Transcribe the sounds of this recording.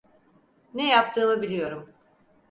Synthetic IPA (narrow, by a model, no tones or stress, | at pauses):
nɛjap̚t̪ʰɯːmɯbilʲijo̞ɾum